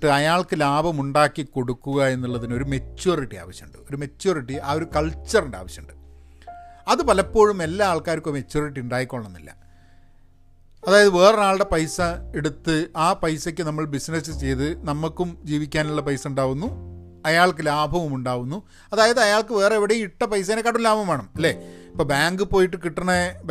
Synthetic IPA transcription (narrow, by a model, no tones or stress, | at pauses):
ʈːɨɐjaːɭkɨlaːbʱɐmuɳɖaːkːiko̞ɽukːuɣɐe̞nːuɭːɐðino̞ɾumet͡ɕːoːriʈːia̰ːʋɐɕjɐɳɖɨo̞ɾume̞t͡ɕːo̞ːriʈːiʔao̞ɾukɐɭt͡ɕːɐruɳɖa̰ːʋɐɕjɐɳɖɨ | ɐðɨpɐlɐpːo̞ːɻume̞lːaaːɭkaːɾikːomet͡ɕːo̞ːriʈ̬ːiuɳɖaːjikːoɭːɐnːḭlːɐ̰ | ɐðaːjɐðɨʋe̞ːrɐaːɭɽepɐjsɐeɽut̪ːɨaːpɐjsɐkʲːɨnɐmːɐɭbisnɐsɨt͡ɕe̞jt̪ɨnɐmːɐkːumd͡ʑiːʋikʲːaːnuɭːɐpɐjsɐuɳɖaːɣunːu | ɐjaːɭkɨlaːbʱɐʋumuɳɖaːʋunːu | ɐðaːjɐðɨɐjaːɭkɨʋe̞ːreeʋiɽejiʈːɐpɐjs̬ɐnekːɐɽulːaːbɐmaːɳɐmilːeːipːoːbaːŋɡɨpo̞ːjiʈːɨkiʈːɐɳɐb